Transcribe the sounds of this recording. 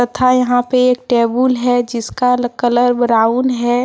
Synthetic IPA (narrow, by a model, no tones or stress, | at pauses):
ət̪ʰajɐɦãpeeːk̚ʈeːbulɦɛd͡ʒɪskalkələɾbəɾaʊnɦɛ